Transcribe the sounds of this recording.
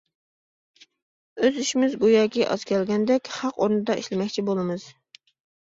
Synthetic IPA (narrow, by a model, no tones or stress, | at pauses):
øziʃimɪzɡojɑːkʲiʔɑ̰z̥kʲʰɛlɡʲɛnd̪ɛkʲhɑqoɾnɨd̪ɑiʃlɪmɛkʲt͡ʃʰibolˠɨmɨz̥